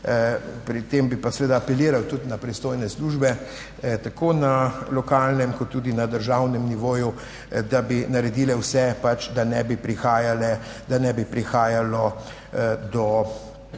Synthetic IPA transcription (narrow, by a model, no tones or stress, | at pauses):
pɾit̪embipasɛʋeːd̪aːpɛliːɾawt̪ut̪napɾist̪oːjnɛsluʒbɛ | t̪akoːnalɔkaːlnɛmkɔt̪ːud̪inad̪əɾʒawnɛmniʋoːju | d̪abinaɾɛd̪iːlɛwsɛpat͡ʃd̪anɛbipɾixaːjalɛd̪anɛbipɾixaːjalɔ | d̪ɔ